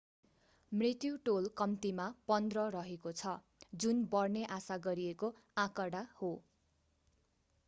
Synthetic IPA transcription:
mrit̪juʈolkʌmt̪imapʌnd̪rʌɾʌɦekot͡sʰʌ | d͡zunbʌrneʔasaɡʌɾieko | ãkʌɽaho

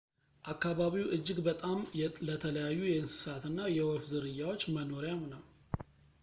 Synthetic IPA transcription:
ʔakːaβaβiwʔɨd͡ʒːɪɡbət̪ʼamlət̪ʰələjajːujɛɨnsɨ̥sat̪ɨnːajɛwɔfzɨɾɨjːawot͡ʃːməno̞ɾjamnəw

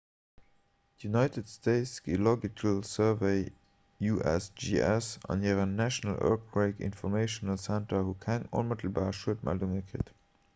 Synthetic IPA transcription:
tjunɑɪtʰətstʰeɪtsɡ̥ilɔɡikʰəlsɜveɪ | juʔɛ̰sd͡ʒiɛsɑ̰niːəʁənæʃonəlʔo̰k̚ʁeɪkḭnfɔmeɪʃonəlsæntɐhukʰæŋo̰nmətʰəl̩baːʁəʃuətmʔæ̰lduŋəkʁḭt

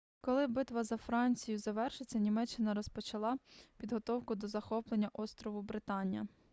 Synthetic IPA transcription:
kɔlˠɪbɪt̪ʋɐzɐfɾɑnʲt͡sʲijʊzɐʋɛrʃɪt͡sʲːɐnʲimɛt͡ʃːɪnɐɾɔspɔt͡ʃɐlˠɑpʲid̪ɦɔt̪ɔwkʊd̪ɔzɐxɔplˠenʲːɐʔɔst̪ɾɔʋʊbɾɪt̪ɑnʲjɐ

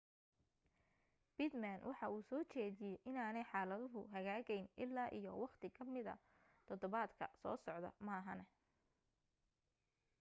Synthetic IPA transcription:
b̥ɪd̪manwʔɑħɑuːsɔːt͡ʃɛːðɪjɛjʔɪnaːnɛjħɑːlɐðʊɦʊɦɐɣaːɣɛjnʔɪlːaːʔijɔwɑqt̪ʰɪkʰɐmɪðɐ̰ | t̪ʰɔðɔβaːd̪kʰɐ̰sɔ̰ːsɔʕd̪ɐ̰maːɦɐnɛ

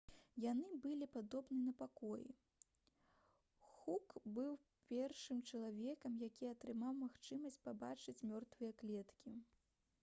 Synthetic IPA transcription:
janɨbɨlʲipad̪ɔbnɨnɐpakɔjḭ | xukbɨw | pʲɛrʂɨmt͡ʂɐlˠavʲɛkɐmjakʲiɐt̪ɾɨmawmaxt͡ʂɨmɐsʲt͡sʲpaba̰t͡ʂɨt͡sʲmʲɔrt̪vɨjɐklʲɛt̪kʲi

